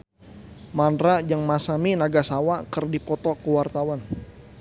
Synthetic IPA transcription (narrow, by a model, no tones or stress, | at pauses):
manɾad͡ʒaŋmasaminaɡasawakərdipɔt̪ɔkəwart̪awan